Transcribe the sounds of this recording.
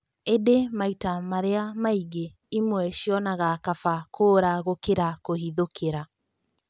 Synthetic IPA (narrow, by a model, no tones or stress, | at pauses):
edemaitamaɾeamaiɣe | imwɛʃjɔnaɣakafakʰoːɾaɣokeɾakoɦiðokʰeɾa